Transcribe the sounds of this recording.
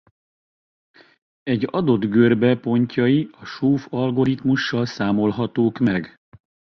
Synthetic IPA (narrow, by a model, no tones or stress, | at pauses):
ɛɟɒ̰d̪o̞d̪ɡørbɛpo̞ɲcɒjiɒʃoːfɒlɡo̞ɾit̪muʃːɒlsaːmo̞lɦɒt̪oːkmɛɡ